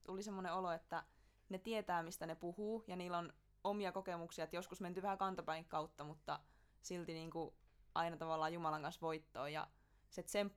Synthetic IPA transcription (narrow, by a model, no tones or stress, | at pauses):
t̪ulisemːoneoloet̪ːæ | net̪iet̪æːmist̪ænepuhuːjɑniːlːon | omiɑkokemuksiɑet̪joskusment̪yʋæhækɑnt̪ɑpæiŋkkɑut̪ːɑmut̪ːɑ | silt̪iniːŋkuʔɑinɑt̪ɑʋɑlːɑːjumɑlɑŋkɑnsʋoit̪ːo̰ːjɑ̰ | set̪semp